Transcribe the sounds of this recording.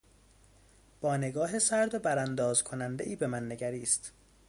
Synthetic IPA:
b̥ɒːne̞ɡɒːɦe̞sæɾd̪obæɾænd̪ɒːz̥kʰo̞nænd̪eʔiːbe̞mænːe̞ɟæɾiːst̪

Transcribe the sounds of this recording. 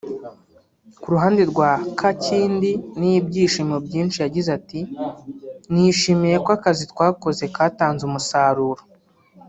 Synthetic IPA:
kuɾuɦaːndiɾɡwaːkʰaciːndinijibɟiːʃimobɟiːnʃijaɟizati | niʃimeje̞koakazitwaːko̞ze̞kaːtaːnzumusaːɾuːɾo

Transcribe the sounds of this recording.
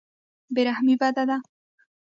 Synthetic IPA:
beɾahmibad̪ad̪a

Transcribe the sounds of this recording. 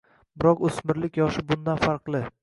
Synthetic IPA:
bɪɾɒqɵsmɪɾlɪkʲjɒʃɪbʊnd̪anfaɾqlˠɪ

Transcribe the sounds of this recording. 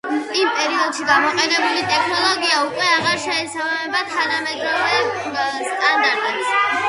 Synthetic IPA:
impʼɛɾiɔd̪̥ʃiɡamɔqʼɛnɛbulit̪ʼɛkʰnɔlˠɔɡiaukʼwɛaʁaɾʃɛːsabamɛbat̪ʰanamɛd̪ɾɔzɛ | st̪ʼand̪aɾt̪ʼɛbis

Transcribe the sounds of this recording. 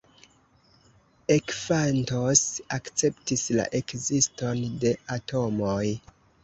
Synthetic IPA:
e̞kfanto̞sakt͡se̞ptisla̰ʔe̞kzisto̞nde̞atʰo̞moj

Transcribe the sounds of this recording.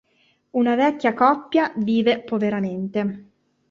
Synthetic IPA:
unavɛkʲːjakɔpːjaviːvepoveɾament̪e

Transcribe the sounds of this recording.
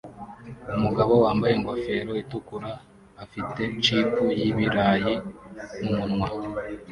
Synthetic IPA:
umuɡaβo̞waːmbaje̞ŋɡwafe̞ɾo̞itukuɾaː | fite̞t͡ʃipujiβiɾaːjinumunŋwa

